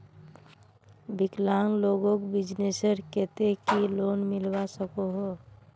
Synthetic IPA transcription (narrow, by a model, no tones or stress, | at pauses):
bɪklaːŋloːɡõkbɪd͡ʒnesəɾkɛt̪ekiloːnmɪlbasəkoɦoː